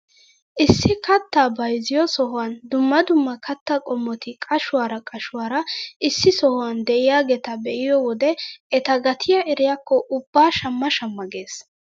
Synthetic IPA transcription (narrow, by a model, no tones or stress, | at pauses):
ʔɪsːɪkɐt̪ːaːbɐjzɪjɔsɔɦʊwand̪ʊmːɐd̪ʊmːɐkʰɐt̪ːɐkʼɔmːɔt̪ɪkʼɐʃʊwaːɾɐkʼɐʃʊwaːɾɐɪsːɪsɔhʊwand̪ɛʔɪjaːɡɛt̪ɐbɛʔɪjɔwɔd̪ɛɛt̪ɐɡɐt̪ʰɪjɐʔɛɾɪjakːɔʔʊbːaːʃɐmːɐʃɐmːɐɡe̞ːs